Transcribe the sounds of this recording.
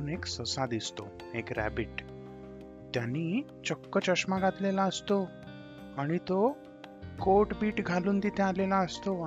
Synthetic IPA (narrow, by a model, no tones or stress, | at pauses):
uːneksəsad̪ist̪o̰ | ekɾæ̰biʈ | t̪jani | t͡ɕɔkːət͡ɕəʃmaɡat̪lelaəst̪o | aɽ̃it̪o | koʈbiːʈɡʱaluːnd̪it̪ʰẽalelaəst̪o